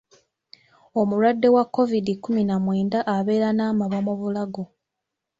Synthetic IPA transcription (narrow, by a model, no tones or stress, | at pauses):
o̞muɾwadːe̞wakːo̞vidikːuminamwe̞ːndaʔaβe̞ːɾanaːmaβamoβulaɡo̞